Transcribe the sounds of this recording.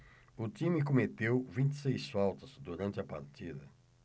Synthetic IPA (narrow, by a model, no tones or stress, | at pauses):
ʊt̪imɪkomet̪ewvĩnt̪i̥sejsfawt̪ɐz̥d̪uɾɐ̃nt̪ɪɐpa̰ɾt̪id̪ɐ